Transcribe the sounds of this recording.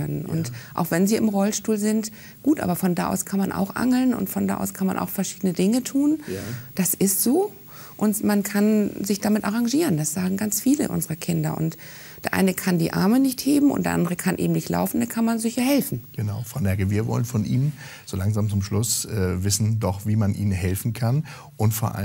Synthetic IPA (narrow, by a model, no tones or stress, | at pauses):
œnənʔʊ̰ntʔa̰ʊxv̥ɛnziːʔɪmʁɔlʃtuːlzɪnt | ɡ̥uːtʔa̰ːbɐfɔnda̰ːʔa̰ʊskʰanmanʔa̰ʊxʔa̰ŋl̩nʊ̰ntfɔnda̰ːʔa̰ʊskʰanma̰nʔa̰ʊxfɛɐʃiːdənədɪŋətʰuːnd̥asɪstz̥oː | ʔʊntmankʰanzɪçd̥amɪtʔaʁaŋʒiːʁəndasz̥aːɡŋ̩ɡant͡sfiːlə̰ʔʊ̰nzəʁəkʰɪndɐ̰ʔʊ̰nt | d̥eːɐʔa̰ɪnəkʰandiːʔa̰ɐmənɪçtheːbm̩ʔʊ̰ntdeːɐʔa̰ndəʁəkʰanʔḛːbm̩nɪçtlʔa̰ʊfn̩dakʰanmanzɪçɐhɛlfn̩ɡ̥ənaʊfʁ̥aʊnɛɐɡəviːɐvɔ̰lənfɔnʔḭːnən | z̥olaŋzaːmt͡sʊmʃlʊsʔɛːvɪsn̩dɔχviːmanʔḭːnənɦɛlfn̩kʰan | ʔʊntfoːɐʔa̰